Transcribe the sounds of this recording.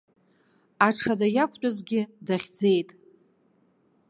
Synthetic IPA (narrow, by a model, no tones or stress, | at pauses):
aʈ͡ʂʰadajakʷʰʼt͡ʃʷʼazɡʲɪdaχʲd͡ze̞jtʼ